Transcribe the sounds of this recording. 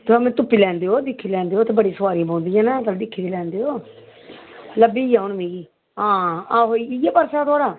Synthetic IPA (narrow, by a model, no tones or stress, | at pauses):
t̪əmẽːt̪ʊpːiːlɛːnd̪eːoːd̪ɪkʰːilɛ̃ːnd̪eːoːt̪eːbəɽisəʋaːɾĩbãːnd̪ɪijãːnaːt̪əld̪ɪkʰːiːd̪elɛ̃ːnd̪eːoː | ləbiːjãːʊnmẽːiː | ɦãːaːɦoːiiaːpəɾsaːt̪ʊaːɽaː